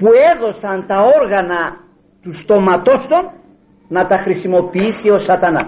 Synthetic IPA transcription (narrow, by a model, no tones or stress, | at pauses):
pueðo̞sɐnt̪ɐo̞ɾɣɐnɐ | t̪ust̪o̞mɐt̪o̞st̪o̞n | nɐt̪ɐxɾisimo̞piisio̞sɐt̪ɐnɐ